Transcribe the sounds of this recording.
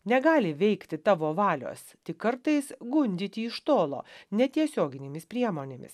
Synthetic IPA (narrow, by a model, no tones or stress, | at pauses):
nʲɛɡɑːlʲɪʋʲɛɪkt̪ʲɪt̪ɑːʋoːʋɑːlʲo̰ːst̪ʲɪkɐɾt̪ɐɪsɡʊnʲd̪ʲɪt̪ʲɪɪʃt̪oːlˠo̰ːnʲɛt̪ʲiɛsʲoːɡʲɪnʲeːmʲɪspʲɾʲiɛmoːnʲeːmʲɪ̰s